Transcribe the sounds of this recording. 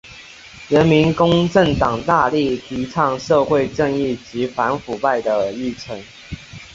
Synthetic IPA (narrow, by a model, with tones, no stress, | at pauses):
ɻə˧˦nmi˨˦˥nkʊ˥ŋʈ͡ʂə˥˨˩ŋt̪ɑ˨˩ŋt̪a˥˧li˥˩t̪ʰi˨˧˥ʈ͡ʂʰɑ˨˩ŋʂɤ˥˧xwe˥˧ɪʈ͡ʂə˥˧ŋi˥˩t͡ɕi˨˧˥fa˧˥nfu˨˩pa˥˩ɪd̪ə˩i˥˩t͡sʰə˨˧˦ŋ